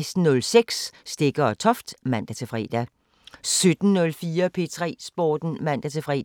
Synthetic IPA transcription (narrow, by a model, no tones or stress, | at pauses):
ɪsd̥n̩nɔ̽lseɡ̥sːd̥e̝ɡ̥ɐɒt͡sʰɒ̽fd̥mæn̰d̥æt͡sʰe̝fʁɛ̰d̥æ | sød̥n̩nɔ̽lfiːɐpʰe̝̰t͡sʰʁɛ̰ːsb̥ɒ̰ːd̥n̩mæn̰d̥æt͡sʰe̝fʁɛ̰